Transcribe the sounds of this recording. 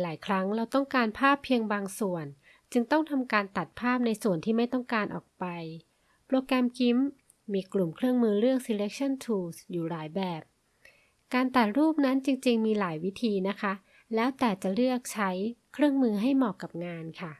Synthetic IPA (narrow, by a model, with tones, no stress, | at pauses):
laː˩˦jkʰɾa˦˥ŋɾa˧wt̪ɔ˥˩ŋkaː˧npʰaː˥˩pʰːi˧əŋbaː˧ŋsu˨˩ən | t͡ɕɯ˧ŋt̪ɔ˥˩ŋt̪ʰa˧mkaː˧nt̪a˨˩t̪̚pʰaː˥˩p̚na˧jsu˨˩ənt̪ʰiː˥˩ma˥˩jt̪ɔ˥˩ŋkaː˧nʔɔ̰ː˨˩k̚pa˧j | pːɾoː˧kɾɛ˧mki˦˥mː | iː˧klu˨˩mkʰɾɯ˥˩əŋmɯː˧ɾɯ˥˩əŋsi˧le˦˥k̚t͡ɕʰa˥˩nt̪ʰuː˧˩sjuː˨˩ɾaː˩˦jbɛː˨˩p̚ | kaː˧nt̪a˨˩t̪̚ɾuː˥˩p̚na˦˥nt͡ɕi˧ŋt͡ɕi˧ŋmiː˧laː˩˦jwi˦˥t̪ʰiː˧na˦˥kʰa˦˥ | lɛː˦˥wt̪ɛː˨˩t͡ɕa˨˩ɾɯ˥˩ək̚t͡ɕʰa˦˥jkʰɾɯ˥˩əŋmɯː˧ɦa˥˩jmɔː˨˩kːa˨˩p̚ŋaː˧nkʰa˥˩